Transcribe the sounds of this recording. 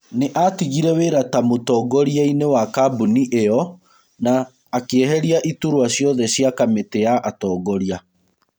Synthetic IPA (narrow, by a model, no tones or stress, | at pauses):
neʔatiɣiɾɛweɾatamotɔːɡɔɾiainewakabuniʔeɔ | naː | keɛɦɛɾiaʔituɾwaɕjɔðɛɕjakameteaʔatɔːɡɔɾia